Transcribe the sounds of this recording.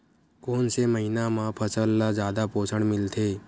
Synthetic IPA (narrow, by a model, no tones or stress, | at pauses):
koːnseməɦinamãpʰəsəlːad͡ʒaːd̪apoːsʰəɽ̃mɪlt̪ʰe